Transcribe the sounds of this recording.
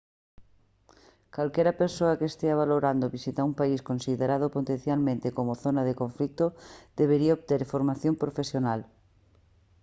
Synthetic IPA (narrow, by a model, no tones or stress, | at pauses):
kalkɛɾapeɾsoakeest̪eaβ̞aloɾand̪oβisit̪aumpaiskonsiðeɾað̞opot̪ẽnθjalmẽnt̪ekomoθonaðekõɱflik̚t̪od̪̥eβeɾiaoβt̪eɾfoɾmaθjompɾofesjonal